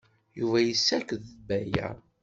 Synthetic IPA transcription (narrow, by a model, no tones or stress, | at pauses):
juvæjəsːækəðbæjæ̰